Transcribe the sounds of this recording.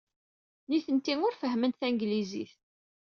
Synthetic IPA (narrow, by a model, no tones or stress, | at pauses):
niθənt̪ːiŋʊɾfəɦmənt̪θæŋɡlizḭθ